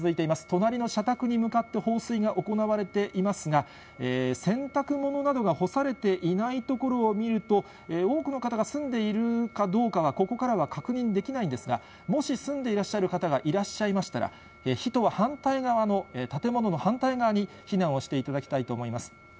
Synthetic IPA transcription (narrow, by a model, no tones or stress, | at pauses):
zɨit̪e̞imasɨ̥t̪o̞naɾʲino̞ɕat̪akɯ̟ɲ̟imɯ̟kat̪ːe̞ho̞ːsɨiɡaʔo̞ko̞naβaɾe̞t̪e̞ʔimasɨɡa | eːsẽ̞nt̪akɯ̟mo̞no̞nad̪o̞ɡaho̞saɾe̞t̪e̞ʔinait̪o̞ko̞ɾo̞ːmʲiɾɯ̟t̪o̞ | eo̞ːkɯno̞kat̪aɡasɨ̃nd̪e̞iɾɯ̟kad̪o̞ːkaβ̞ako̞ko̞kaɾaβakakɯ̟ɲ̟ĩnd̪e̞kʲinaĩnd̪e̞sɨɡa̰ | mo̞ɕisɨ̃nd̪e̞iɾaɕːaɾɯ̟kat̪aɡaʔiɾaɕːaimaɕi̥t̪a̰ɾa̰ | eçit̪o̞β̞ahãnt̪aiɡaβano̞et̪at̪e̞mo̞no̞no̞hãnt̪aiɡaβaɲ̟i | çinãɰ̃o̞ɕi̥t̪e̞it̪ad̪akʲi̥t̪ait̪o̞ːmo̞imasɨ̥